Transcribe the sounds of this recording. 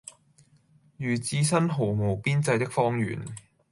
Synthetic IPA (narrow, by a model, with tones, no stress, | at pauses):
jyː˨˩t͡siː˨˧sɐ˥nɦo˨˩wmo˨wpiː˥nt͡sɐ˧jt̪ɪ˥k̚fɔː˥ŋjy̰ː˨˩n